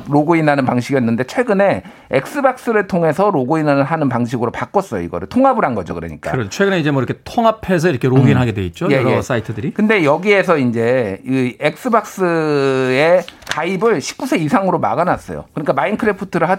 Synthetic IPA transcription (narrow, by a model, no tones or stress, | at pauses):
ɾoɡoinɦanɯnpaŋɕʰiɡijʌnːɯnde̞t͡ɕʰwe̞ɡɯne̞ | ḛk̚s͈ɯbak̚s͈ɯɾɯɭtʰoŋe̞sʰʌɾoɡoinanɯɭɦanɯnpaŋɕʰiɡɯɾopak͈ʌs͈ʌjo̰iɡʌɾɯɭtʰoŋɦabɯɾanɡʌd͡ʑo̰kɯɾʌ̰ɲik͈a̰ɯɾʌot͡ɕʰwe̞ɡɯne̞id͡ʑe̞mwʌiɾʌkʰetʰoŋɦapʰe̞s̬ʰʌiɾʌkʰeɾoɡinɦaɡe̞dwe̞it̚t͡ɕ͈ojejs͈aitʰɯdɯɾikɯnde̞jʌɡie̞s̬ʰʌind͡ʑe̞iek̚s͈ɯbak̚s͈ɯe̞kaibɯɭɕʰi̥p̚k͈usʰe̞isʰaŋɯɾoma̰ɣanas͈ʌ̰jo̰kɯɲik͈amainkʰɯɾepʰutʰɯɾɯɭɦa